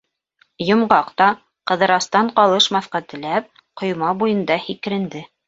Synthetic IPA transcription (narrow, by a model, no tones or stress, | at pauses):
jŏmʁɑqt̪ɑ | qɤ̆ðɤ̆ɾɑst̪ɑɴqɑlˠɤʃmɑθqɑt̪ɘ̆læp̚ | qŏjmɑbujɤ̆nd̪ɑhik̆ɾɘ̆nd̪ɘ